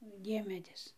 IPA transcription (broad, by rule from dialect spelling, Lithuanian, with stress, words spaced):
ˈdʲiɛmʲɛdʲɪs